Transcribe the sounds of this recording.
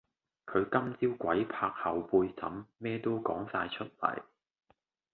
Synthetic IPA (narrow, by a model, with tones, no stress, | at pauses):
kʰɵ˨˧ɥkɐ˥mt͡siː˥wkʷɐ˨˥jpʰaː˧k̚hɐ˨wpuː˧jsɐ̰˨˥mːɛː˥t̪o˥wkɔː˨˥ŋsaː˧jt͡ʃʰɵ˥t̚lɐ̰˨˩j